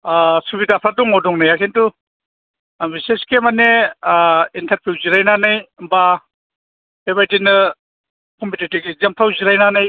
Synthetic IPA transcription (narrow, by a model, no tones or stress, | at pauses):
asubidapʰɾaduŋodɔŋnajakʰentu | biseskemane | intɐɾpʰuwziɾajnanɯjba | bebajtinɯ | kʰɔmpʰitetɡizemtʰawziɾajnanaj